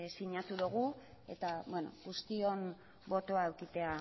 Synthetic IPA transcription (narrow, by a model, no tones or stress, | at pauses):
siɲat̪uðuɣ̞u | e̞t̪aβweno̰ɣust̪io̞n | bo̞t̪o̞aewkit̪e̞a